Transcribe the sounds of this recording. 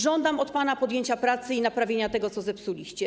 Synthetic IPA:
ʐɔnd̪amɔt̪panapɔd̪jeɲt͡ɕapɾat̪sɘinapɾavʲjeɲat̪ɛɡɔt̪sɔzɛpsulʲiɕt͡ɕɛ

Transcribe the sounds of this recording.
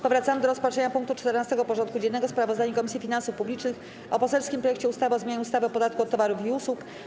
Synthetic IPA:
pɔvɾat̪samɘd̪ɔɾɔspatʂɛɲapuŋk̚t̪ut͡ʂt̪ɛɾnast̪ɛɡɔpɔʐɔnt̪̚kud͡ʑɛnːɛɡɔspɾavɔzd̪aɲukɔmʲisʲifʲinansufpublʲit͡ʂnɘx | ʔɔpɔsɛlskʲimpɾɔjɛk̚t͡ɕɛust̪avɔzmʲeɲaɲust̪avɘɔpɔd̪at̪̚kuɔt̪ːɔvaɾufiuswuk

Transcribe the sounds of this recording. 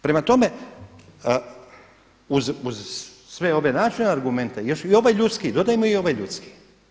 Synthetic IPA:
pɾe̞mat̪o̞me̞ | uzuz | sʋeo̞benaːt͡ʃineaɾɡume̞nt̪ejeʃio̞ʋajʎut̪skid̪o̞d̪ajemoio̞ʋajʎut̪ski̥

